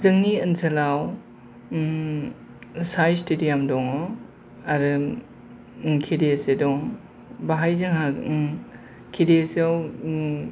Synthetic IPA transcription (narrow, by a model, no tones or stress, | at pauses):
zɯŋniɐnsʰɐlaw | sajstedijamdɔŋɔ | aɾɯ | kʰedesedɔŋ | baɦajzɯŋɦa | kʰideseaw